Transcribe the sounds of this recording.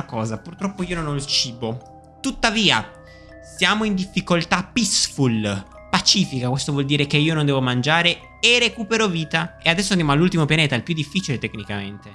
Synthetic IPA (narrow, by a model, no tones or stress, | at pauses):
akɔːzapurt̪ɾɔpːoiːononɔilt͡ʃiːbo | t̪ut̪ːaviːa̰ | sjaːmoind̪ifːikolt̪apisful | pat͡ʃiːfikakwest̪ovwɔld̪iːɾekeiːonõnd̪ɛːvomand͡ʒaːɾe | erekuːpeɾoviːt̪aead̪ɛsːoand̪jamoalːult̪imopjaneːt̪ailpjud̪ːifːit͡ʃilet̪ekːnikament̪e